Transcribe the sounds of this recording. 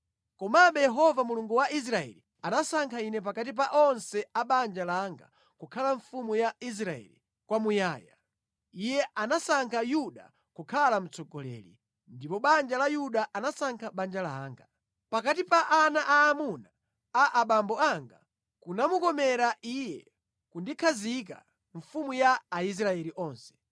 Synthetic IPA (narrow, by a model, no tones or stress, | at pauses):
kɔmaɓɛjɛɦɔvamuluŋɡuwaʔis̬ɾaɛ̰li | anasaŋkʰainɛp̬akat̬ip̬aʔɔnsɛaɓand͡ʒalaŋɡa̰ | kukʰalaɱfumujais̬ɾaɛ̰lḭ | kwamujaːja̰ | ijɛʔanasaŋkʰajuɗa̰ | kukʰalam̩t͡sɔɡɔlɛ̰lḭ | ndipɔɓand͡ʒalajuɗaʔanasaŋkʰaɓand͡ʒalaːŋɡa | pakatipaʔanaʔaːmuna | aʔaɓambɔaŋɡa | kunamukɔmɛɾaʔijɛ | kundikʰazik̬a̰ | ɱ̩fumujaːis̬ɾaɛliʔɔːnsɛ̥